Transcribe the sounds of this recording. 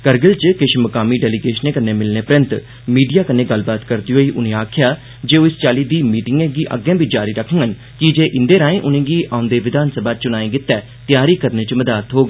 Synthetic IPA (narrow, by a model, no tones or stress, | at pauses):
kəɾɡəlt͡ʃkɪʃməkaːmiːɖɛːliɡeːʃəneːkənːeːmɪlneːpɾə̃nt̪ | miːɖijaːkənːeːɡəlbaːt̪kəɾd̪iːɦoːiːʔʊnẽːaːkʰɪjaː | d͡ʒeːoːɪst͡ʃaːliːd̪iːmiːʈɪŋɡẽːɡiːʔə̰ɡɛ̃ːbid͡ʒaːɾiːɾəkʰə̃ŋɡən | kɪd͡ʒeːʔɪnd̪eːɾaːẽːʔʊnẽːɡiːʔãːʊ̃nd̪eːʋɪd̪aːnsəbaːt͡ʃʊnaːẽːɡɪt̪ːɛː | t̪ɪjaːɾiːkəɾneːt͡ʃməd̪aːt̪ɦoːɡeː